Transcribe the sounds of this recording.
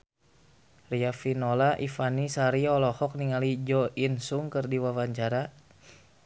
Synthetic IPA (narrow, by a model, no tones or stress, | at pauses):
riafinɔlaʔifanisaɾiɔlɔhɔk̚niŋalid͡ʒɔʔinsuŋkɨrdiwawaɲt͡ʃaɾa